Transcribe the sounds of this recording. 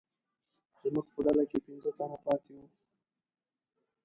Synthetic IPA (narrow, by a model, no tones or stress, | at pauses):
d̪əmuɡpəɖalakepɪnzət̪anapɑt̪ewu